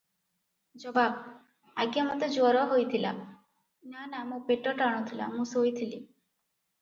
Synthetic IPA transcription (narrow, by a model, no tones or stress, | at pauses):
d͡ʒɔbab̚ | aɡjamɔt̪ed͡ʒoɔɾɔɦojt̪ʰila̰ | nanamũpeʈɔʈaɽ̃ɔt̪ʰila̰mũsojt̪ʰili